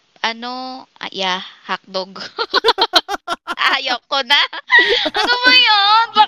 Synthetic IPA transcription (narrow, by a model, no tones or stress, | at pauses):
ʔɐnoʔjahɐk̚d̪oɡ | aːjɐkːonaʔɐnobɐjonba